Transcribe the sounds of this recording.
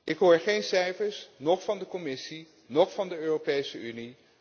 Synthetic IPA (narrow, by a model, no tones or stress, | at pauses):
ʔɪkɦʊːɹχejnsɛjfəɹsnɔχfɑndəkɔmɪsi | nɔχfɑndəøːropejsəyni